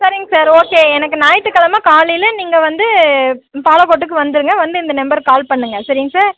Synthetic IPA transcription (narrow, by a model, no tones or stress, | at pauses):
sɐɾɪŋɡɐsaːɾoːkeːɛnɐkːɯnaːjɐʈːɯkːɐlɐmaːkaːɭɪlniːŋɡɐʋɐnd̪ɯ | paːlɐkɔʈːɯk̬ːɯʋɐnd̪ɯɾɯŋɡɐʋɐnd̪ɯɪnd̪ɐnɛmbɐɾkaːlpɐɳːɯŋɡɐsɐɾɪŋɡɐsaːɾ